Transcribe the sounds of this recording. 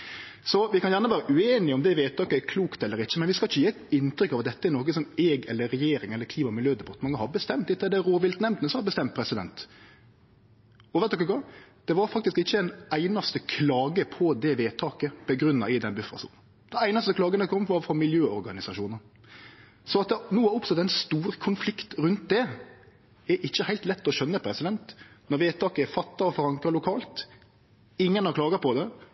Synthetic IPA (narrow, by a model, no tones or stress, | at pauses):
sɔʋɪkʰɑnjæʁɳəʋæːɾəʔʉeːnɪɔmd̪ɛʋeːt̪ʰɑːkəɛɾkʰluːkt̪ɛlːəɾɪçːəmɛnʋɪskɑlɪçːəjeːt̪ɪnt̪ɾʏkːɑʋɑt̪̚d̪ɛt̪ːəɛɾnoːkəsɔmɛːɡɛlːəɾːɛjeːɾɪŋɛlːəɾkʰliːmɑmɪljøːd̪ɛbɑt̪əmɑŋːəhɑbəst̪ɛmt̪ɪt̪ːəd̪ɛɾoːʋɪlt̪nɛmt̪nəsɑɑbəst̪ɛmt̪̚pʰɾɛsɪd̪ɛ̰nt̪ | ɔʋɛt̪ːɔkːəɡɑd̪̥ɛʋɑɾfɑk̚t̪ɪskɪçːəɛnæɪnɑst̪əkʰlɑːɡəpʰɔd̪ɛʋeːt̪ʰɑːkəb̥əɡɾʉnːɑɪd̪ɛnbʉfɾɑ̰sṵːn̩ | d̪̥ɛæɪnɑst̪əkʰlɑːɡənəkʰɔmːʋɑːɾfɾɔmɪljøːɔɾɡɑnɪsɑʃuːnən | sɔɑt̪̚d̪ɛnuːæʊpst̪ɛt̪ːɛɪnst̪uːɾkʰʊnflɪkt̪ɾʉnt̪̚d̪ɛ | ɛɾʔɪçːəhæɪt̪lɛt̪ːɔɕœnːəpʰɾɛsɪd̪ɛnt̪nɔɾʋeːt̪ʰɑːkəfɑt̪ːɑɔfɔɾɑŋkɑlʊkʰɑːlt̪ | ɪŋːənɑklɑːɡɑpʰɔd̪ɛ